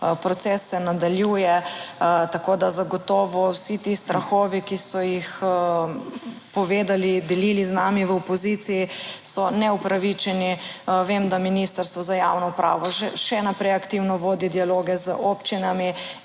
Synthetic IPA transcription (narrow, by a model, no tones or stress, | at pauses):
pɾɔt̪sɛsːɛnad̪aljuːjɛ | t̪akod̪azaɡɔt̪ɔːʋɔwsit̪ist̪ɾaxɔːʋikisɔjix | pɔʋeːd̪alid̪ɛliːliznaːmiʋəɔpɔzit̪sijisɔnɛupɾaʋit͡ʃɛniʋemd̪aminist̪əɾst̪ʋɔzajawnɔupɾa̰ːʋɔʒɛʃɛnapɾɛjakt̪iwnɔʋoːd̪id̪ialoːɡɛzəopt͡ʃinami